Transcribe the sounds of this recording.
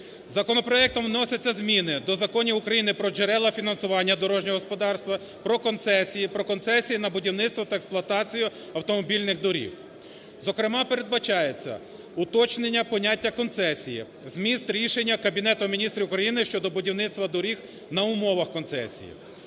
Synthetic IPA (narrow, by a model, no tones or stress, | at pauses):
zɐkɔnɔpɾɔɛk̚t̪ɔmwnɔsʲɐt͡sʲːɐzmʲinɪd̪ɔzɐkɔnʲiʊkɾɐjinɪpɾɔd͡ʒeɾɛlˠɐfʲinɐnsʊʋɑnʲːɐd̪ɔɾɔʒnʲɔɦɔspɔd̪ɑrst̪ʋɐ | pɾɔkɔnt̪sɛsʲijipɾɔkɔnsɛsʲijinɐbʊdʲiwnɪt̪st̪ʋɔt̪ɐeksplˠʊɐt̪ɑt͡sʲijʊɐwt̪ɔmɔbʲilʲnɪɣd̪ɔɾʲḭw | zɔkɾɪmɑpeɾe̞d̪̚bɐt͡ʃɑjet͡sʲːɐ̰ | ʊt̪ɔt͡ʃnenʲːɐpɔnʲatʲːɐkɔnt̪sɛsʲijḭ | zmʲist̪ɾʲiʃe̞nʲːɐkɐbʲin̪ɛt̪ʊmʲinʲist̪ɾʲiwkɾɐjinɪʃt͡ʃɔd̪ɔbʊdʲiwnɪt̪st̪ʋɐd̪ɔɾʲix | nɐʊmɔʋɐxkɔnt̪sɛ̰sʲḭjḭ